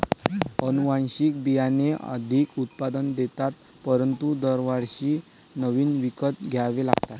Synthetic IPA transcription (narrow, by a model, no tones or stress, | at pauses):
ənuʋãnɕik̚bijaneə̰d̪ʱikut̪̚pad̪ənd̪et̪at̪ | pəɾənt̪ud̪əɾʋaɾɕiː | nəʋiːnʋikət̪̚ɡʱjaʋelaɡt̪at̪